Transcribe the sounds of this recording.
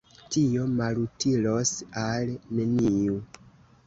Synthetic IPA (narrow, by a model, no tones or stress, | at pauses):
tio̞malutilo̞salneniu